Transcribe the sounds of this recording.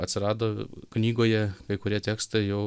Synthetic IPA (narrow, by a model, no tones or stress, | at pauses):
ɐt̪ʲsʲɪɾɑːd̪oːknʲiːɡoːjɛkɐɪkʊɾʲiɛt̪ʲeːkst̪ɐɪjɛʊ